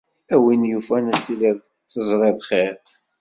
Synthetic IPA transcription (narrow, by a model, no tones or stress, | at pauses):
æwinjufænæt͡sːilið | θəzˤɾˤeðˤχeɾ